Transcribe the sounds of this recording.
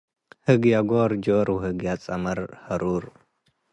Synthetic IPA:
hɨɡjaɡoɾd͡ʒoɾwhɨɡjat͡sʼɐmɐɾhɐɾuɾ

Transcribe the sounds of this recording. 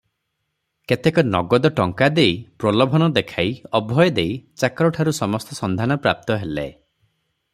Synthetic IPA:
ket̪ekɔnɔɡɔd̪ɔʈɔŋkad̪ejpɾɔlɔbʱɔnɔd̪ekʰajɔbʱɔjɔd̪ejt͡ʃakɾɔʈʰaɾusɔmɔst̪ɔsɔnd̪ʱanɔpɾa̰p̚t̪ɔɦelḛ

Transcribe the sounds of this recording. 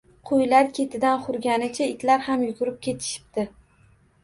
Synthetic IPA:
qʰojlaɾkʲʰe̞t̪ʰɪd̪anχʊɾɡʲanɪt͡ʃʰaɪt̪ʰlaɾhamjʊɡʲʊɾɪp̚kʲe̞t̪ʰɪ̥ʃɪ̥pt̪ɪ

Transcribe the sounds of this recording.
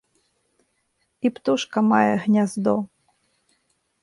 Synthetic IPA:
ipt̪uʂkɐmajɛɣnʲazd̪ɔ

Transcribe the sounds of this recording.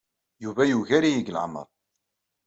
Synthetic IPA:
juvæjuʝæɾijəɡlʕ̰mə̰ðˤ

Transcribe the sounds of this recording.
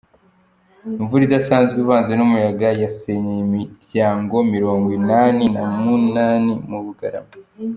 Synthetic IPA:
ɱvuɾidasaːnzɡiβaːnzenumujaɡajaseɲeimiɾɟaːŋɡo̞miɾo̞ːŋɡwinaːninamunaːnimuβuɡaɾa̰mo

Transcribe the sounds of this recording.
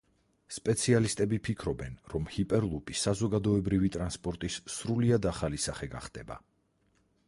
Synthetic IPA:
spʼɛt̪sʰialist̪ʼɛbipʰikʰɾɔbɛnɾɔmhipʼɛɾlˠupʼisazɔɡad̪ɔɛbɾivit̪ʼɾanspʼɔɾt̪ʼisːɾuliad̪aχalisaχɛɡa̰χd̪ɛba̰

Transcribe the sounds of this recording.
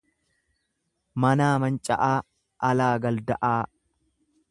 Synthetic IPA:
mɐnaːmɐnt͡ʃʼɐ̰ʔaː | ɐlaːɡɐld̪ɐʔaː

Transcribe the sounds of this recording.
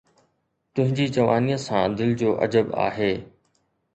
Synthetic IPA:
t̪ʊ̃ɦɪ̃ɲd͡ʑid͡ʑɐʋaːniːəsãːd̪ɪlɪd͡ʑoːʔɐ̰d͡ʑəba̰ːɦeː

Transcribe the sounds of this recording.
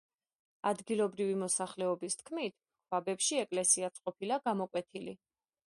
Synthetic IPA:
ad̪ɡilˠɔbɾivimɔsaχlɛɔbist̪ʰkʰmit̪ʰ | kʰwabɛpʃiɛkʼlɛsiat̪sʼqʼɔpʰilaɡamɔkʼwɛt̪ʰili

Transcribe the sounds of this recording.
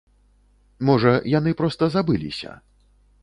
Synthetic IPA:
mɔʐɐjan̪ɨpɾɔst̪ɐzabɨlʲḭsʲɐ̰

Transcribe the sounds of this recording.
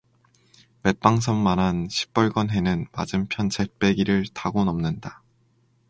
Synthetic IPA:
me̞p͈aŋsʰʌnmanɦanɕʰi̥p̚p͈ʌɭɡʌnɦe̞nɯnma̰d͡ʑɯmpʰjʌnt͡ɕep͈e̞ɡiɾɯɭtaɡonʌmnɯnda

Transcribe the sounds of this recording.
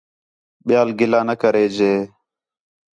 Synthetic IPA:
ɓɪjaːlɡɪlaːnəkəɾeːd͡ʒeː

